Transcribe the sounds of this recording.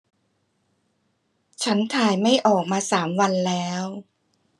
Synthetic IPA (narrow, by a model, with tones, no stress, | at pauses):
t͡ɕʰa˦˥nt̪ʰaː˧jma˥˩jʔɔː˨˩k̚maː˧saː˩˦mwa˧nlɛː˦˥w